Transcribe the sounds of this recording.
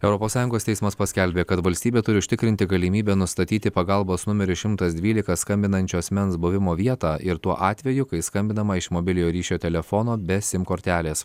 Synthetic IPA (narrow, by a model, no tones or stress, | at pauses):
ɛʊɾɔpoːsɑːjʊŋɡoːst̪ʲɛɪsmɐspɐsʲkʲɛlʲbʲeːkɐt̪ʋɐlʲsʲt̪ʲiːbʲeːt̪ʊɾʲɪʊʃʲt̪ʲɪkɾʲɪnʲt̪ʲɪɡɐlʲimʲiːbʲɛːnʊst̪ɐt̪ʲiːt̪ʲɪpɐɡɐlˠboːsnʊmʲɛɾʲʊʃʲɪmt̪ɐsd̪ʲʋʲiːlʲɪkɐskɐmʲbʲɪnɐnʲt͡ʃʲuːɐsʲmʲɛnsbʊʋʲɪmoːʋʲiɛt̪ɑːʔɪɾt̪uɔʔɑːt̪ʲʋʲɛjʊkɐɪskɐmʲbʲɪnɐmɐɪʃmoːbʲɪlʲɪjoːɾʲiːʃʲoːt̪ʲɛlʲɛfonoːbʲɛsʲɪmkoːɾʲt̪ʲæːlʲeːs